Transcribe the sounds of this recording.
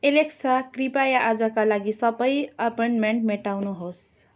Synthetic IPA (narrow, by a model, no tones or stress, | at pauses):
eleksakripajaʔad͡zakalaɡisʌbʌjʌpoɳʈmeɳʈmeʈawnuɦos